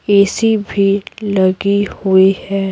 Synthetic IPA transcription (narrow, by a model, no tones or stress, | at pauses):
ɛːsibʱilɐɡihuihɛː